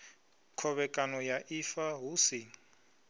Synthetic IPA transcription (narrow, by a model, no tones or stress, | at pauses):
kʰɔβɛkʼanɔjaʔifaɦusiːŋ̩